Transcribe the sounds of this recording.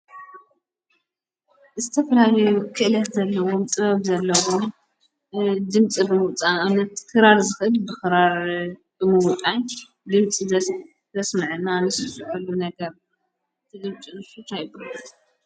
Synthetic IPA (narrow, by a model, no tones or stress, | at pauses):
zɨt̪ʰɐfɐlalɐjukʰɨʔɨlɐt̪zɐlːɐwomt̪ʼɨβɐβzɐlːɐwom | d̪ɨmt͡sʼibɨmɨwt͡sʼanɐt̪kʰɨɾaɾzɨxɨlbɨxɨɾaɾ | bɨmɨwut̪ʼaɲ | d̪ɨmt͡sʼizɐs | zɐsmɨʕɨnːanɨsɨsɨʕulːunɐɡɐɾ | t̪ʰɨd̪ɨmt͡sʼinɨsut̪ʰajbu